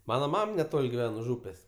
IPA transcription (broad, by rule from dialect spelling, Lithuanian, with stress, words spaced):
ˈmɑːnɐ ˈmɐm nʲɛˈtoːlʲ ɡʲɪˈʋʲɛn ʊʃ ˈuːpʲeːsʲ